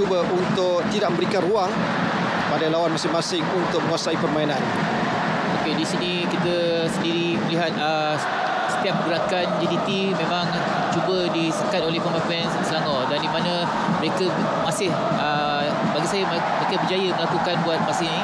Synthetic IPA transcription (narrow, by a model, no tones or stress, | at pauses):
ubəunt̪ʊk̚t̪idaʔ̚mə̃mbəɾikanruaŋ | padajlawanmasɪhmasɪŋunt̪ʊk̚məŋwasaipərmainan | okedisinĩ | kit̪ə | səndiɾiməliɦat̪̚ə | sə̥t̪iap̚ɡəɾakand͡ʒidit̪i | mẽmãŋ | t͡ʃubədisəkat̪̚olɛhpəmak | nsəlaŋadandimanə | məɾekə | masɪh | ə | baɡisajəm | mɾekəbəd͡ʒajəməlakukanbuat̪̚masɪni